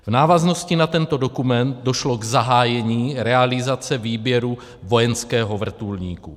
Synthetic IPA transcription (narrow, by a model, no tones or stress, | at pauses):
vnaːvazno̞scɪnat̪ɛnt̪o̞do̞kumɛnt̪̚doʃlo̞ɡzaɦaːjɛɲiːɾɛalɪzat͡sɛviːbjɛɾu | vo̞jɛnskɛːɦo̞vr̩t̪ulɲiːku